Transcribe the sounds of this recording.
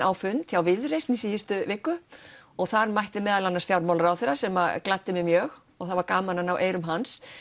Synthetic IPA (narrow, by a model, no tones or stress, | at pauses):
awfʏnt̪çawvɪðrejst̪nisiːjɪst̪ʏvɪkːʏɔɣθaɾmajht̪ɪmɛːðalanasfjawɾmawlaɾawθeːɾasɛmaklat̪ːɪmɛmjœːx | ɔɣθavaɾkaːmananawʔeːjɾʏmɦans